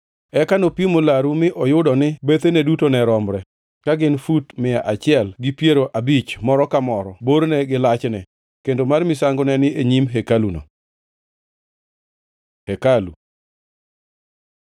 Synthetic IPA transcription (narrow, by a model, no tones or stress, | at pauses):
ɛkanopimolaɾumɪʔɔjʊdɔnɪbet̪enedutonɛɾɔmɾɛ | kaɡɪnfutmɪaʔat͡ʃɪɛlɡɪpjeɾoʔabit͡ʃmɔɾɔkamɔɾɔboɾnɛɡɪlat͡ʃnɛ | kendomarmɪsaŋɡʊnɛnɪeɲimɦekaluno̰ | hekalṵ